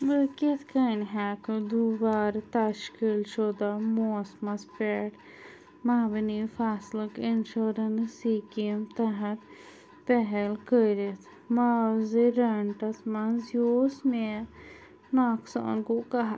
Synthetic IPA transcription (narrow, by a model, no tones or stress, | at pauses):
ʋəket̪ʰkɐnɦakd̪uʋaːɾt̪aʃkilʃod̪amoːsmɐspɛːʈ | maːʋinifʰaːsləkinʃoːɾɐnsikimt̪ɐɦɐt̪ | pɛɦɛlkəɾit̪ʰ | maːziɾɐɳʈɐsmɐnzjoːsme | naːksa̰ːnkokɐɦa